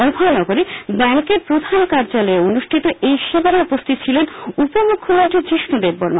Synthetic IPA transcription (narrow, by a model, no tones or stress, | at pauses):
ɔbʱɔonɔɡoɾebɛŋkeɾpɾod̪ʱankaɾd͡ʑaloeonuʃʈʰit̪oʔejʃebaɾaupost̪it̪t͡ɕʰilenupomukʰːoloʈʰit͡ɕɾiʃnud̪ebːono